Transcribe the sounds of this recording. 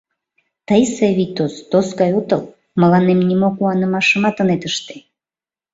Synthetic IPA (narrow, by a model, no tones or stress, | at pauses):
t̪əjseβit̪osd̪osɡɑjut̪əl | məlɑnemnimokuɑnəmɑʃəmɑt̪ənet̪əʃt̪e̥